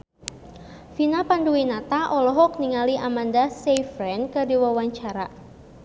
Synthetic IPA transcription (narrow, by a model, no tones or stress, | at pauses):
finapanduwinat̪aʔɔlɔɦɔk̚niŋaliʔamandasejfɾɛnkədiwawaɲt͡ʃaɾa